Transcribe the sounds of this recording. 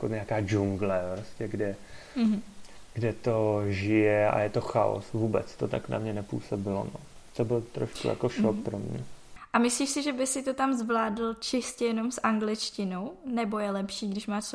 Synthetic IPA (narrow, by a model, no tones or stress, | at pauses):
koɲɛakaːd͡ʒuŋɡlɛpɾoscɛɡdɛ | ɡ̥dɛt̪oʒɪjɛa̰jɛt̪o̞xao̰svuːbɛ̰t͡st̪ot̪akna̰mɲɛnɛpṵːsobɪlo̰no | t̪obɪlt̪ɾoʃkṵja̰koʃok̚pɾomɲɛ̰ʔamɪsliːʃsɪʒɛbɪsɪt̪o̞t̪amzvlaːdl̩t͡ʃɪscɛjɛno̞msʔaŋɡlɪt͡ʃcɪnownɛbojɛlɛpʃiːɡdɪʃmaːʃ